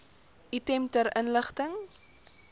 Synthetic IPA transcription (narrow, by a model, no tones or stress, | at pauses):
ʔitɛmtəɾʔənləχtəŋ